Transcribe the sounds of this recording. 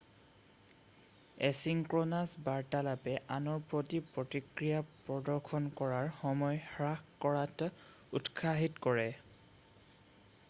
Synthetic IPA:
ɛsiŋkɹonasbaɹtalapɛʔanɔɹpɹotipɹotikɹijapɹɔdɔɹkʰɔnkɔɹaɹxɔmɔjhɹaxkɔɹat | utkʰaɦitkɔɹɛ

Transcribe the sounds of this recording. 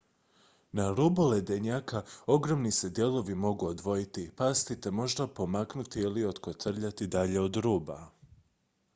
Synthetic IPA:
naɾuboled̪eɲaːkao̞ɡɾo̞mnise̞d̪je̞lˠo̞ʋimo̞ɡuod̪ʋo̞jit̪ipast̪it̪e̞mo̞ʒd̪apo̞maknut̪iilio̞t̪kot̪r̩ʎat̪id̪aʎe̞o̞d̪ɾuːba

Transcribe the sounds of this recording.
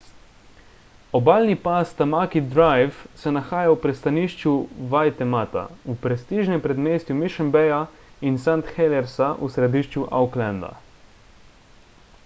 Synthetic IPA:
ɔbaːlnipast̪amakid̪ɾajfsɛnaxaːjawpɾɛst̪aniːʃt͡ʃjuʋajt̪ɛmat̪a̰upɾɛst̪iːʒnɛmpɾɛd̪meːst̪jumiʃəmbɛja | insant̪xɛlɛɾsaʔusɾɛd̪iːʃt͡ʃuʔa̰wklãnd̪a̰

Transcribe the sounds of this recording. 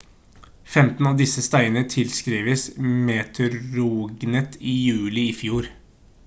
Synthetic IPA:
fɛmt̪n̩ɑːʋd̪ɪsəst̪æɪənət̪ʰɪlskɾiːʋəsmeːt̪ʰəɾuːɡnət̪iːjʉːlɪiːfjuːɾ

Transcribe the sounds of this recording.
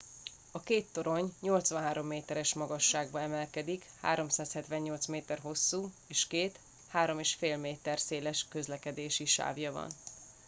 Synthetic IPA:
ɒkeːt̪ːo̞ɾo̞ɲɲo̞lt̪sʋɒnɦaːɾo̞mːeːt̪ɛɾɛʃmɒɡɒʃːaːɡ̚bɒɛmɛlkɛd̪ikha̰ːɾo̞msaːshɛt̪ʋɛɲːo̞lt̪smeːt̪ɛrɦo̞sːuː | eːʃkeːt̪ | haːɾo̞meːʃfeːlmeːt̪ɛrseːlɛʃkøzlɛkɛd̪eːʃiʃa̰ːvjɒvɒ̰n

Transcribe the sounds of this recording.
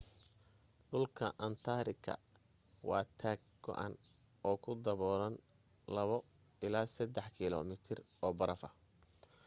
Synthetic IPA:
ɖʊlkʰɐʔɐnt̪ʰaɾɪɡʰɐ̰ | wɑ̰ːt̪ʰaːɡ̚ɡɔ̰ʔa̰n | ɔːkʰʊd̪ɐβɔːɾɐn | lɐβɔ | ɪlaːsɐd̪ɛħkʰɪlɔ̰ːmɪt̪ʰɪr | ɔːbɐɾɐfɐ

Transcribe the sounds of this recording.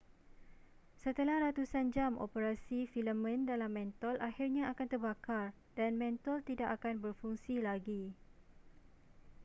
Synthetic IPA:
sət̪əlahɾat̪usand͡ʒamo̰pəɾasifiləmə̃ndalamːɛ̃nt̪ɔlʔahirɲãakant̪ərbakar | danmɛ̃nt̪ɔlt̪idaʔakanbərfuŋsilaɡi

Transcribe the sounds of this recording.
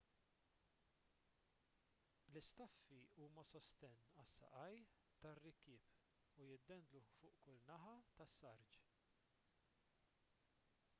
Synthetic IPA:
lɪst̪ɐfːiuːmɐsɔst̪ɛnːɐsːɐ̰ʔɐj | t̪ɐrːɪkɪːp | ujɪd̪ːɛnd̪lufʊːʔkʊlnɐħɐt̪ɐsːɐɾd͡ʒ

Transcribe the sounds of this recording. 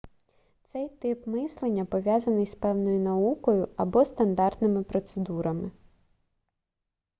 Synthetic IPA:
t̪sɛjt̪ɪpmɪslˠenʲːɐpɔʋʲjɑzɐnɪjspɛwnɔjʊnɐukɔjʊɐbɔst̪ɐnd̪ɑrt̪nɪmɪpɾɔt̪sed̪uɾɐmɪ

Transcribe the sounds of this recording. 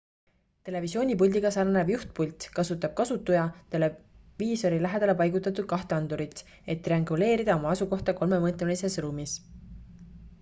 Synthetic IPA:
t̪e̞le̞visio̞ːnʲipulʲd̪iɡɑsɑrnevjuht̪̚pulʲt̪kɑsut̪ːˑɑb̥̚kɑsut̪ːˑujɑt̪e̞le̞viːso̞ɾilæɦe̞d̪̥ɑle̞pɑjɡ̥ut̪ːˑɑt̪ːˑud̪̥̚kɑht̪eɑnd̪uɾit̪ˑ | e̞t̪ːriɑŋɡule̞ːɾid̪̥ɑo̞mɑɑsuko̞ht̪ɑko̞lme̞mɤːt̪lmelise̞sruːmis

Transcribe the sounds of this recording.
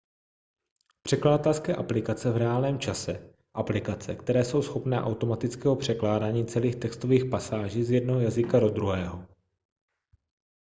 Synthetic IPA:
pr̥ɛkladat̪ɛlskɛːʔaplɪkat͡sɛvɾɛaːlnɛːmt͡ʃasɛ | ʔaplɪkat͡sɛ̰kt̪ɛɾɛːso̞wsxo̞pnɛ̰ːʔawt̪o̞mat̪ɪt͡skɛːɦo̞pr̝̥ɛklaːdaːɲiːt͡sɛliːxt̪ɛkst̪o̞viːxpasaːʒiːzjɛdnoɦojazɪkaɾod̪ɾuɦɛːɦo

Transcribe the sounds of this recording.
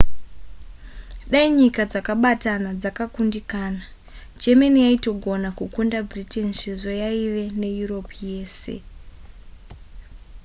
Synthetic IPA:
ɗaiɲikad͡zakaɓatanad͡zakakundikaːna | d͡ʒemenijaito̞ɡʱo̞nakukundabriteniʃezojaiʋe̞ne̞juro̞pje̞ːse̞̰

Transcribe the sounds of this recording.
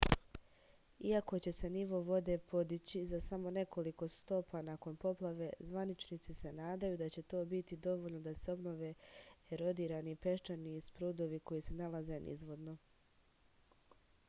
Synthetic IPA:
iako̞t͡ɕe̞se̞niʋo̞ʋo̞d̪e̞po̞d̪it͡ɕizasamo̞ne̞ko̞liko̞st̪o̞panako̞npo̞plˠaʋe̞zʋanit͡ʃnit̪sise̞naːd̪ajud̪at͡ɕe̞t̪o̞ːbit̪id̪o̞ʋo̞ʎno̞d̪ase̞o̞bno̞ʋeeɾo̞d̪iːɾanipe̞ʃt͡ʃaniːspɾuːd̪o̞ʋiko̞jise̞nalaze̞nʔḭzʋo̞d̪no̞

